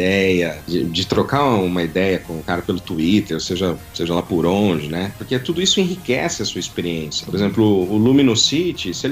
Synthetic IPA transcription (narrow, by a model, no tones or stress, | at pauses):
d̪ɛjɐd͡ʒɪ̰d͡ʒɪt̪ɾokauũmɐid̪ɛjɐkõʊkaɾɐpelʊt̪uit̪eɾseʒɐseʒɐlapʊɾõʒɪnɛpʊɾket̪ud̪ʊisʊẽɦikɛsɪɐsuɐispeɾiẽsjɐpoɾezẽmplʊːlumĩnʊsit͡ʃɪsɪel